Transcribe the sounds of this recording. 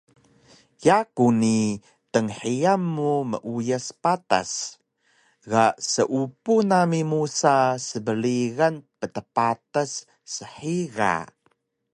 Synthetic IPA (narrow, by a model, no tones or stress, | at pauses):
jakuni | təŋħiamːumə̰ʔujəspata̰s | ɣasəʔupunamimusasəbəliɣanpətəpatəsː | əħiɣa̰